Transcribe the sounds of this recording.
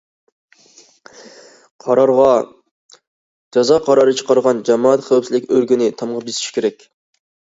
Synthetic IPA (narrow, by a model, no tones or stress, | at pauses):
qʰɑɾɑɾʁɑ | d͡ʒɑzɑqʰɑɾɑɾɨt͡ʃʰə̥qʰɑɾʁɑnd͡ʒɑmɑːɑt̪χæwpsɪlɪkʲøɾɡʲynɪt̪ʰɑmʁɑbisi̥ʃkʲʰeɾɛkʲ